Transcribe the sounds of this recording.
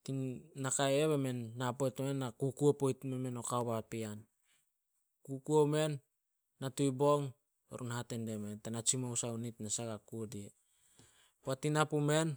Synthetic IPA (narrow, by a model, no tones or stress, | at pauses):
tinːakajeβeme̞nːapojtmenːakukuopojtmeme̞no̞kaobapian | kukuome̞nː | atujboŋ | o̰ɾʔunhatendementanat͡ʃimousaunitnasaɡakuodie | watinapume̞n